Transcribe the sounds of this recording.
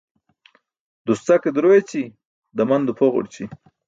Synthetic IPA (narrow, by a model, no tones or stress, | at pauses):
d̪ust͡saked̪ɾojet͡si | d̪amand̪upʰoʁo̰ɽt͡ɕi